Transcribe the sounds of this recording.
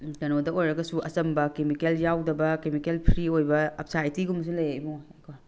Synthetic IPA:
kɐnodɐojɾɐɡɐsuɐsɐmbɐkemikeljawdɐbɐkemikelpʰɾiojbɐɐp̚sajtiɡums̬ulɐjejmokʰo

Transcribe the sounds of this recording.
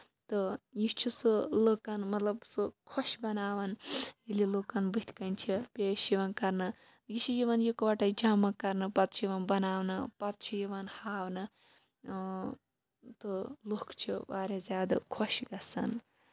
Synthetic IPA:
t̪ɨjit͡ʃʰisulokɐnmɐt̪lɐbsɨkʰɔʃbɐnaːʋɐnililoːkɐnbɨt̪ʲʰkɐnt͡ʃʰipʲeːʃiʋɐnkɐɾnɨ | jit͡ʃʰijiʋɐnjukʋɐʈɐjd͡ʒɐmːɐkɐɾnɨpɐt̪̚t͡ʃʰjiʋɐnbɐnaːwnɨpɐt̪̚t͡ʃʰijiʋɐnhaːwnɨ | t̪ɨlokt͡ʃʰibaːɾezʲaːd̪ɐ̰kʰoʃɡɐsɐn

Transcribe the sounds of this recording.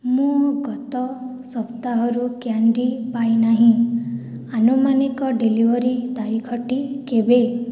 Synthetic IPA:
mũɡɔt̪ɔsɔpt̪aɦɔɾukjaɳɖipajnaɦĩ | anumanikɔɖelibɔɾit̪aɾikʰɔʈikebe

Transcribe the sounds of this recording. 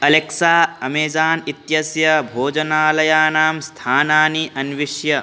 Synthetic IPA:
ɐleksaːɐmeːd͡ʒaːnit̪jɐsjɐbʱoːd͡ʒɐnaːlɐjaːnaːmst̪ʰaːnaːniʔɐnʋiʃjɐ

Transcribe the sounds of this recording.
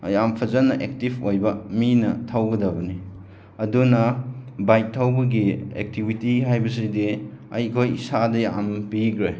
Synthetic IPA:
jampʰɐzɐnːɐʔek̚tipʰojbɐminɐ̰tʰawɡɐdɐbɐni | ɐdunɐbajk̚tʰːawbɐɡiḛk̚tibitiɦajbɐsidiɐ̰jkʰojisadɐja̰mpiɡɾe

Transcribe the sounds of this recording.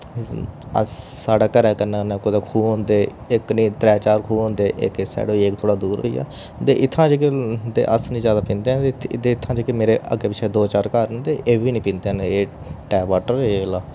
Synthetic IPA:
ə̰sːaːɽaːkəɾɛːkənaːnɛːkod̪aːkʰuːɦõnd̪eː | ɪknĩːt̪ɾɛːt͡ʃaːɾkʰuːɦõːnd̪eːʔḛkesa̰ːɽoːeːk̚t̪ʰoːɽaːd̪uːɾija̰ː | t̪eːʔɪt̪ʰːãːd͡ʒeːkt̪ḛːʔəsnĩːzjaːd̪aːpĩːnd̪ẽːt̪ed̪eːɪt̪ʰːãːd͡ʒiːkemeːɾeːə̰ɡeːpɪt͡ʃʰeːd̪oːt͡ʃaːɾkaɾd̪eːʔeːʋiːnĩːpɪ̃ːnd̪eːneː | ʈɛːʋaːʈəɾelaː

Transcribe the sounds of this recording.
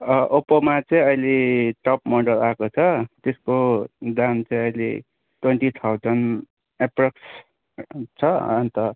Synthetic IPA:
ʌʔopʌmat͡sʌĩʌjleʈʌpmʌɖʌlakot͡sʰʌt̪eskod̪ant͡saĩʌjlḛ | ʈweɳʈit̪ʰawd͡zʌn | eprʌks | t͡sʰʌʌ̰nt̪ʌ

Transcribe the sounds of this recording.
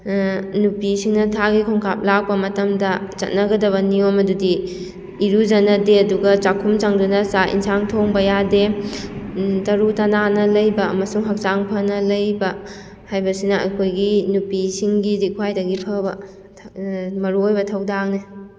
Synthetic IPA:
nupisiŋnɐtʰaɡikʰɔŋkʰap̚lak̚pɐmɐtɐmdɐt͡ʃɐ̰t̚nɐɡɐdɐβɐniomɐdudiː | ɾud͡ʒɐnɐdeɐduɡɐt͡ʃakʰumt͡ʃaŋdunɐsaʔḭnsaŋtʰoŋbɐjade | tɐɾutɐnanɐlɐjbɐːmɐsuŋɦɐk̚t͡ʃaŋpʰɐnɐlɐjbɐ | hajbɐsinɐɐ̰kʰojɡinupisiŋɡidikʰwajdɐɡipʰɐbɐ | mɐɾuojbɐtʰɐwdak̚ne

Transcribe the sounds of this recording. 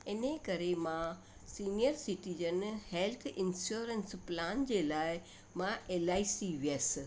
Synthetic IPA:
ɪnekɐɾemã | siːnijəɾsiʈiːd͡ʑənhelt̪ʰɪnsuːɾənsplaːnd͡ʑelaːɪ | mãʔeːlaːisiʋijəs

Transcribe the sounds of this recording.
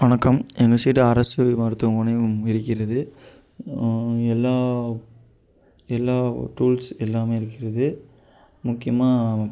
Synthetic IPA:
ʋɐnɐkːɐmɛŋɡɐsɛːʈːɯɐɾɐsɯmɐɾɯt̪ːɯɔnɐɪɾɯkːɪɾɐðɯ | ɛlːaː | ɛlːaːʈuːlsɛlːaːmeːɪɾɯkːɪɾɐðɯ | mʊkːɪjɐmaː

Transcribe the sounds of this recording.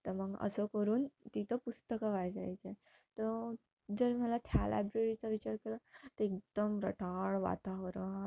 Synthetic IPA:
t̪əɾməɡə̰səkəɾuːnt̪it̪ʰəpust̪əkaʋajd͡za̰jt͡se | t̪ə | d͡zəɾm̤əlat̪ʰjala̰bɾeɾit͡saʋit͡ɕaɾkelat̪əek̚d̪̥əmɾə̰ʈʰaɭʋa̰t̪aʋɾ

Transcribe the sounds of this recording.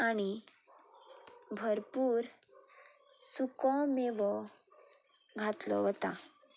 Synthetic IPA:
añi | bʱəɾpuːɾ | sukɔmeʋɔ | ɡʱat̪lɔ̰ʋət̪a̰

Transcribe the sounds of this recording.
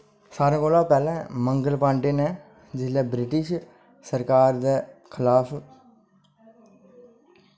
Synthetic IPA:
saːɾãːkoːlãːpɛːlɛ̃ːməŋɡəlpãːɳɖeːnɛː | d͡ʒɪlɛːbɾɪʈɪʃ | səɾkaːɾd̪ɛːkʰɪlaːpʰ

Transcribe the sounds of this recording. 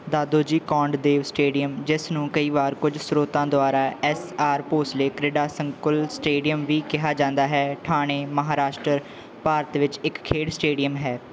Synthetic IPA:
d̪aːd̪oːd͡ʒiːkɔ̃ːɳɖd̪eːʋsʈeːɖijəmd͡ʒɪsnũːkəiːʋaːɾkʊd͡ʒsɾoːt̪ãːd̪oaːɾaːʔɛsaːɾpoːsleːkɾɪɖaːsəŋkʊlsʈeːɖijəmʋiːkɪɦaːd͡ʒãːnd̪aːɦɛːʈʰaːɽ̃eːməɦaːɾaːʃʈɾəɾ | paːɾət̪ʋɪt͡ʃɪkkʰːeːɽsʈeːɖijəmɦɛː

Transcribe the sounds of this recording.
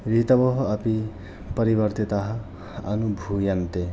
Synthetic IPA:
ɾit̪ɐbɔɦoɐpi | pɐɾibɐɾt̪it̪aɦɐ | ɐ̰nubʱujɐnt̪e

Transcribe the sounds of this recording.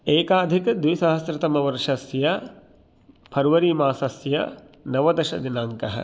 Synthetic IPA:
eːkaːd̪ʱikd̪ʋijsɐɦɐsɾɐt̪ɐmɐʋɐɾʂɐsjɐ | pʰɐɾʋɐɾiːmaːsɐsjɐ̰ | nɐʋɐd̪ɐʃɐ̰d̪inaːŋkɐɦɐ̰̆

